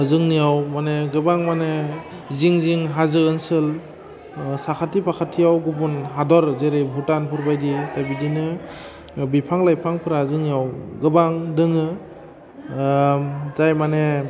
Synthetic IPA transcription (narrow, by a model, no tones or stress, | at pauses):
zɯŋnijawmaneɡɯbaŋmane | ziŋziŋɦazɯɯnsɯl | sakʰatipʰakʰatʰijawɡupunɦadɔɾzeɾejbʱutanpʰuɾbajditajbidinɯ | bipʰaŋlajpʰaŋpʰɯɾazɯŋnijawɡɯbaŋdɯŋɯ | zajmane